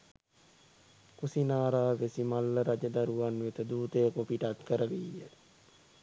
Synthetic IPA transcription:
kusinaːɾaːʋesimalːəɾad͡ʒəd̪aɾuʋanʋet̪əd̪uːt̪ejəkopiʈat̪kəɾəʋiːjə

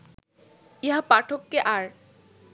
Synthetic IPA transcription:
iɦapaʈʰokːeʔaɾ

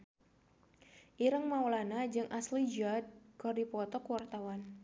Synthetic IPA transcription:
ʔiɾəŋmawlanad͡ʒɨŋʔaslid͡ʒad̚kɔdipɔt̪ɔkuwart̪awan

